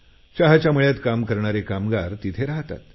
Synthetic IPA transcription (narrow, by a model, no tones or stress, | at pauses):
ɕaɦat͡ɕjaməɭjat̪kamkəɾɳ̃aɾekamɡaɾt̪it̪ʰeɾaɦt̪a̰t̪